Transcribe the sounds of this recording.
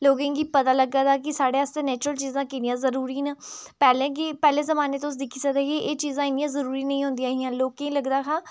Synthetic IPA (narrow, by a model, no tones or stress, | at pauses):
loːɡẽːŋɡiːpət̪aːləɡːaːd̪aːkɪsaːɽeːast̪eːnɛːt͡ʃɾəlt͡ʃiːzãːkɪnɪjãːzəɾuːɾiːnaːpɛːlẽːɡeːpɛːlẽːzəmaːneːt̪õʊs̬d̪ɪkʰːiːsəd̪eːɡeʔeːt͡ʃiːzãːɪnjãːzəɾuːɾiːnəĩːɦʊ̃nd̪ijãːɦijãːloːkẽĩːləɡd̪aːkʰãː